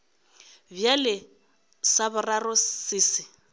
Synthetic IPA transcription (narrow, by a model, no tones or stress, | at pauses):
bjalɪ | sabʊrarɔsiːsɪ